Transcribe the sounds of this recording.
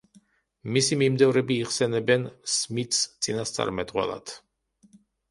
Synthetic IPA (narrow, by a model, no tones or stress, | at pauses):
misimimd̪ɛvɾɛbiːχsɛnɛbɛnsmit̪st̪sʼinast̪sʼa̰ɾmɛd̪qʼwɛ̰lˠa̰d̪̥